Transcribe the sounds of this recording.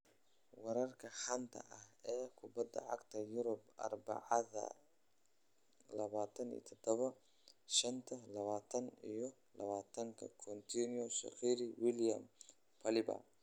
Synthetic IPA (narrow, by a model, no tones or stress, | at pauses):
wɐɾɐrkʰɐħɐnt̪ʰɐ̰ʔɐhɛːkʰʊbɐd̪ɐ̰ʕɑ̰ɡt̪ʰɐjʊɾʊbʔɐ̰rbɑ̰ʕɑðɐ̰ | lɐβaːt̪ʰɐnḭːt̪ʰɔd̪̥ɔβɐ | ʃɐnt̪ʰɐlɐβaːt̪ʰɐnijɞ | lɐβaːt̪ʰɐŋkʰɐ̰kʰɔnt̪ʰiniɔsɐ̰qiɾɪwɪljɐm | pʰɐlɪbɐ̰